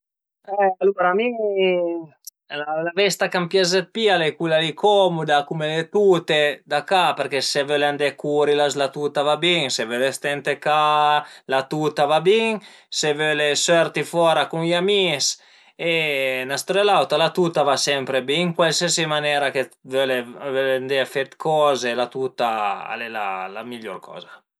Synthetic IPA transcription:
ɛaluɾami | lalavɛst̪akampjazet̪̚pialekulalikʰɔmud̪akumelet̪ut̪ed̪akapeɾkesevøland̪ekuɾilaslat̪ut̪avabiŋsevølest̪ɛnt̪ekalat̪ut̪avabiŋ | sevølesørt̪ifɔːɾakuŋiamis | enast̪ɾelawt̪alat̪ut̪avasɛmpɾebiŋkwalsiesimanɛːɾakevøleavølend̪efɛt̪kʰɔːzelat̪ut̪aa̰lela̰la̰miʎɔ̰rkʰɔ̰ːza

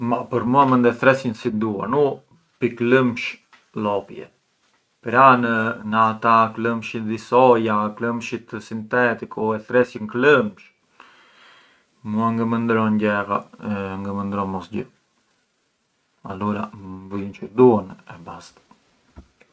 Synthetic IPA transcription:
mapəɾmuamənd̪ɛθɾɛsjənsid̪ua̰nu | pikləmʃ | lɔpjɛ̰ | pɛɾanənəat̪akləmʃid̪isɔjakləmʃit̪əsint̪ɛt̪ikuɛθɾɛsjənkləmʃ | muaŋɡəmənd̪ɾɔɲɟɛɾaŋɡəmənd̪ɾɔnmɔsɟə | a̰luɾavujənt͡ʃəd̪uɔnɛbast̪ḁ

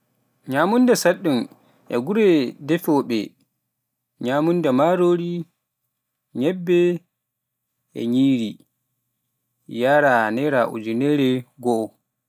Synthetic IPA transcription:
ɲaːmundɛsaɗːum | ʔɛ̰ɡuɾɛdɛfɔɓɛ̰ | ɲamundɛmaɾoːɾi | ɲɛbːɛ | ɛ̰ɲiːɾi | jaɾanɛɾaʔṵd͡ʒunɛɾɛɡɔ

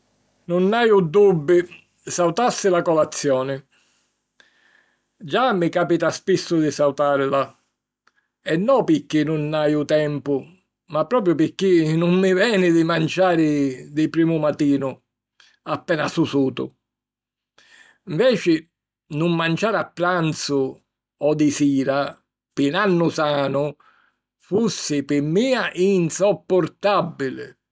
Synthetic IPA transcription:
nʊnːajud̪ubːi | sawt̪asːɪlakɔlat̪sːjɔːnɪ | d͡ʒamːikaːpit̪aspisːʊd̪isawt̪aːɾla | ɛnːɔpɪkːinʊnːajʊt̪ɛmpʊ | mapːɾɔːp̬ɾjʊpɪkːinʊmːivɛːnɪd̪imant͡ʃaːɾɪd̪ɪpɾiːmʊmat̪iːnʊ | apːɛːnasusuːt̪ʊ̰ | ɱvɛːt͡ʃɪ | nʊmːant͡ʃaːɾapːɾant̪sʊ | ɔd̪isiːɾa | pɪnanːʊsaːnʊ | fusːɪpɪmːiːaʔinsɔpːʊɾt̪abːilɪ̰

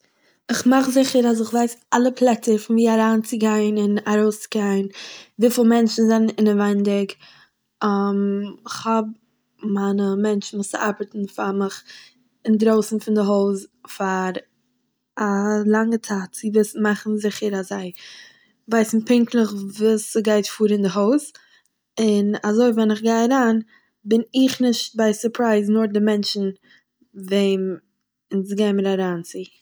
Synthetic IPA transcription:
ɪχmaχzɪχəɾas̬ɪχvaɪsalˠəpʰlˠɛt͡səɾfɪnviːaɾaːnt͡sɪɡaɪnɪnaɾoʊst͡sɪ̥ɡaɪnviːflˠmɛnt͡ʃn̩zannɪnəvaɪndɪkː | mɪχhɔb̚ | maɪnəmɛnt͡ʃn̩vʊst͡sɪʔaɾbətn̩famɪχ | ɪndɾoʊsn̩fɪndɪɦoʊsfaɾ | alˠaŋətʰaːt̚t͡sɪvɪsn̩maχn̩zɪχəɾazaɪ | vaɪsn̩pɪŋklˠəχvuːsəɡaɪtfuːɾɪndɪɦoʊs | ɪnazoɪvɛnɪχɡaɪaɾaːn | bɪnɪχnɪʃt̚baɪsʊɾpʰɾaɪznʊɾdɪmɛnt͡ʃn̩ | veɪm | ɪnsɡeɪməɾaɾaːnt͡si

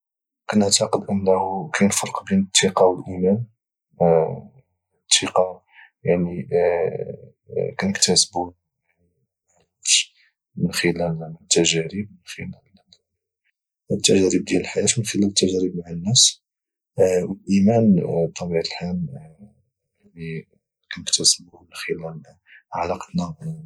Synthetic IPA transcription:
kænəʕt̪ɑqəd̪ʔənːæhukæjnfɑɾˤqbinət̪ˤːiqɑwəlʔimæn | t̪ʰːiqɑ | jaʕni | kænəkt̪æsbu | ʕ | ʃ | mənxəlælt̪ːæʒæɾib̚mənxəlæl | t̪ːæʒæɾəb̚d̪jæləlħajæt̪mənxəlælət̪ːæʒæɾəbmaʕənːæs | wəlʔimænt̪ˤːɑbiʕt̪əlħan | li | kænəkt̪æsbumənxəlæl | ʕalɑqt̪næ

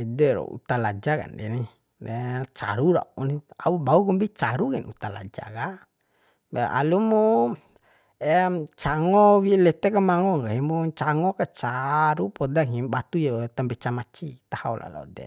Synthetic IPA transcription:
ɛdɛɾɔ̰ṵt̪alad͡ʒaka̰ndɛni | dɛt͡ʃa̰ɾuɾa̰unia̰ubaukɔmbit͡ʃaɾuɡɛnut̪ala̰d͡ʒa̰ka | bɛʔa̰lumu | ɛt͡ʃaŋɔwilɛt̪ɛkamaŋɔŋɡaɦimuɲt͡ʃaŋɔkat͡ʃaɾupɔdaŋibat̪ujɔt̪ampɛt͡ʃamat͡ʃit̪ahaulʔa̰lɔ̰dɛ̰

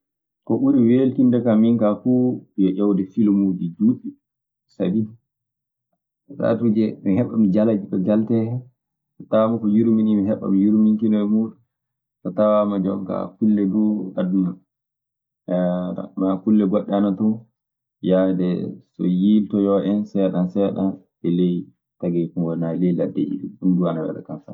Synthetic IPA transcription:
kɔʔuɾiwelkindakamiŋkafujɔʔɔwdɛfilmud͡ʒid͡ʒuːɓi | sa̰bi | ɾa̰tud͡ʒɛmihɛɓːamid͡ʒalad͡ʒikɔɡaltɛhɛ | tɔ̥tawamakɔjuɾuminimiɦɛɓːa̰mijuɾumiŋkinɔmuːɗun | tɔtawamad͡ʒɔ̰ŋka̰kulːɛduaduna | a̰makulːɛɡɔɗːɛanatɔ | jadɛsɔ̰jiltɔjɔʔɛnsɛɗansɛɗan | ʔɛlej | taɡɛkuŋɡɔnalɛjla̰dːḛʔḭɗṵmɗunduanawɛ̰ɗa̰kanfa̰

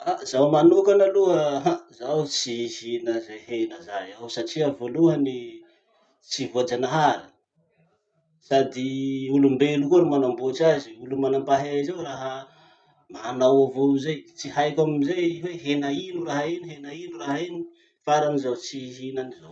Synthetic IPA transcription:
azawmanukanaluəɦazawt͡sihinəzehenəzajawsaʈ͡ʂiəvoluəni | t͡sivoad͡ʒanaɦaɾi | sad̪iulumbelukuɾimanamboʈ͡ʂaziulumanambaɦeizawraɦə | manawavozajt͡siɦajkamizajweɦenainuraɦainiɦenainuraɦaini̥ | faɾanizawt͡siɦinanizaw

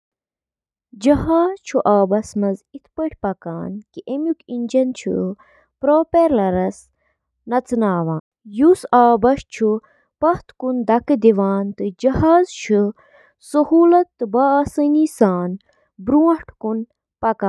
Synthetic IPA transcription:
d͡ʒɐɦaːzt͡ʃʰuʔaːbɐsmɐzit̪ʰpəʈʰʲpɐkaːnkiʔemjukinʲd͡ʒɐnt͡ʃʰṵ | pɾoːpeɾlɐɾɐs | nɐt͡sɨnaːʋãːnjusaːbɐʃt͡ʃʰu | pɐht̪kund̪ɐkɨd̪iʋaːnt̪ɨd͡ʒɐhaːzt͡ʃʰu | sɐhuːlɐt̪ːɨbaːsɐniːsaːn | bɾuːɐʈʰkun | pɐkaːn

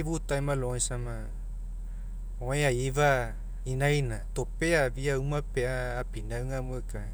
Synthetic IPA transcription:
iβut̪aimãloĩsamã | oẽaiβa | inainãt̪opeaβiaumãpeaːpinaɯŋaməka

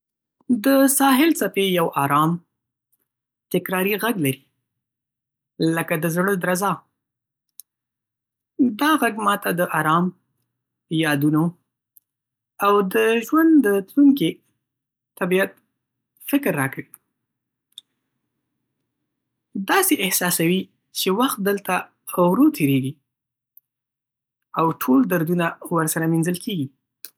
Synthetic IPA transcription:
d̪əsɑɦɪlsapejawʔɑɾɑm | t̪ɪkɾɑɾiɣaɡlaɾi | ləkad̪əzɽəd̪ɾazɑ | d̪ɑɣaɡmɑt̪ad̪əʔɑɾɑm | jɑd̪uno | awd̪əʒwand̪d̪ət̪luŋki | t̪abijat̪̚ | fɪkɾːɑkwi | d̪ɑseʔɪhsɑsawi | t͡ʃewaxt̪̚d̪əlt̪a | awɾot̪ʰeɾeɡi | awʈʰold̪aɾd̪unawəɾsaɾaminzəlkʰeɡi

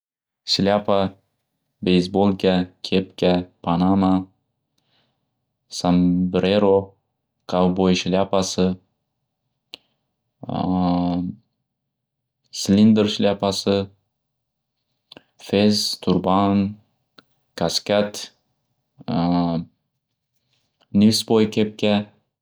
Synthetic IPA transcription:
slʲapa | bejzbolˠkʲakʲʰepkʲapʰanama | sambɾeɾo | kʰawbojʃlʲapasɪ | slind̪eɾʃlʲjapasɪ | fezt̪ʰʊɾban | kʰaskʲat̪ | nisbojkʲʰep̚kʲa

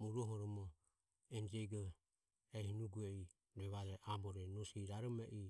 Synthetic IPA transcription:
muɾuɔɦɔɾɔmɔ | ɛnd͡ʒɛɡɔ | ɛhinuɡuɛi | ɾɛβaɾɛʔabɔɾɛnɔsiɾaɾɔmɛʔi

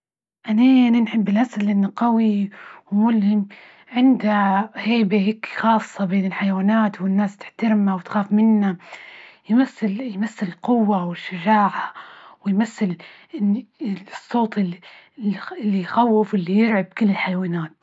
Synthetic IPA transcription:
ʔanaʔananħɪbːɪlʔasalʔɪnːaqawiwmʊlhɪm | ʕɪnd̪aheːbahiːkxɑːsˤːɑbeːnɪlħajwaːnaːt̪wɪnːaːst̪ɪ̥ħt̪aɾmawɪt̪xaːfmɪnːa | jmaθːɪljmaθːɪlɪlqʊwːawɪʃːad͡ʒaːʕawɪjmaθːɪl | ɪ | sˤːoːt̪ˤɪ | ɪlːijxawːɪfʔɪlːijɪɾʕab̚kɪlːɪlħajwaːnaːt̪̚

